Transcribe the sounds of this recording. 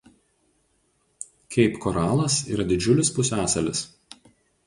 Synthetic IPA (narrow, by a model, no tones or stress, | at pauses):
kʲɛɪpkɔɾɑːlˠɐsḭːɾɐd̪ʲɪd͡ʒʲʊlʲɪspʊsʲæːsɐlʲɪs